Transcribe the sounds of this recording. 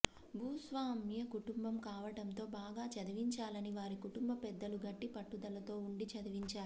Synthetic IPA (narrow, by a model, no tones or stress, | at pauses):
bʱuːsʋaːmjɐkuʈumbɐmkaːʋɐɽɐnt̪o̞ːbaːɡaːt͡ʃɐd̪ɐʋiɲt͡ʃaːlɐniʋaːɾikuʈumbɐpɛd̪ːɐluɡɐʈːipɐʈːud̪ɐlɐt̪o̞ːuɳɖit͡ʃɐd̪ɐʋiɲt͡ʃaːɾ